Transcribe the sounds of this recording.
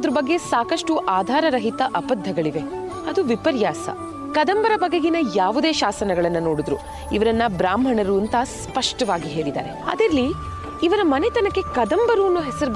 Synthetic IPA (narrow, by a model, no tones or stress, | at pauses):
d̪ɐɾubɐɡːe̞saːkɐʂʈuʔaːd̪ʱaːɾɐɾɐɦit̪ɐʔɐpɐd̪ʱːɐɡɐɭiʋe̞ | ɐd̪uʋipɐɾjaːsɐ̰ | kɐd̪ɐmbɐɾɐbɐɡeɡinɐjaːʋud̪e̞ːʃaːsɐnɐɡɐɭɐnːɐnoːɽud̪ɾṵ | iʋɐɾɐnːɐbɾaːmʱɐɳɐɾuɐnt̪ɐspɐʂʈɐʋaːɡiɦe̞ːɭid̪a̰ːɾe̞ɐ̰d̪iɾɐlːiː | ʋɐɾɐmɐnet̪ɐnɐkːe̞kɐd̪ɐmbɐɾuɐnːuɦɛsɐɾub